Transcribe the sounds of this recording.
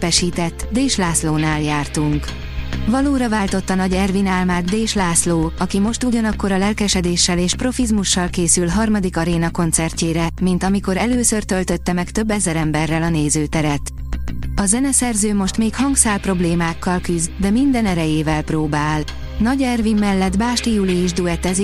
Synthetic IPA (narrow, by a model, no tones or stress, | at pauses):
pɛʃiːt̪ɛt̪ːd̪eːʃlaːsloːnaːljaːrt̪uŋk | vɒloːɾɒvaːlt̪o̞t̪ːɒnɒɟɛrvinaːlmaːɡ̪d̪eːʃlaːsloːɒkimo̞ʃt̪uɟɒnɒkːo̞ɾɒlɛlkɛʃɛd̪eːʃːɛleːʃpro̞fizmuʃːɒlkeːsylɦɒrmɒd̪ikɒɾeːnɒko̞nt̪sɛrceːɾɛmint̪ɒmiko̞ɾɛløːsørt̪ølt̪ø̞t̪ːɛmɛkt̪ø̞bːɛzɛɾɛmbɛrːɛlɒneːzøːt̪ɛɾɛt̪ | ɒzɛnɛsɛrzøːmo̞ʃt̪meːkhɒŋɡsaːlpro̞bleːmaːkːɒlkyzd̪ɛmind̪ɛnɛɾɛjeːvɛlproːbaːl | nɒɟɛrvimːɛlːɛd̪baːʃt̪ijuliːʒd̪uɛt̪ɛzi